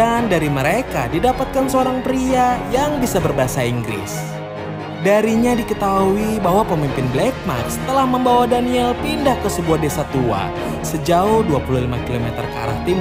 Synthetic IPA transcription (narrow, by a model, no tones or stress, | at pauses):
andaɾiməɾeka̰didapat̪̚kansəoɾaŋpɾiajaŋbisabərbaasaiŋɡɾɪ̰s | daɾiɲadikət̪auibaɦwapəmimpɪnblɛk̚ma̰t̪st̪əlahməmbawadaniɛlpindahkəsəbuahdesat̪ua̰ | səd͡ʒaʊhduapululimakilomɛt̪ərkəa̰ɾa̰ht̪im